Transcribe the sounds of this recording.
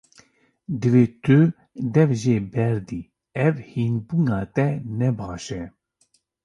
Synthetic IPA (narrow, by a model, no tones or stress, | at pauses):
d̪ɨveːt̪ʰø | d̪ɛvʒeːbɛɾd̪i | ɛvhinbunaːt̪ɛnɛbaːʃɛ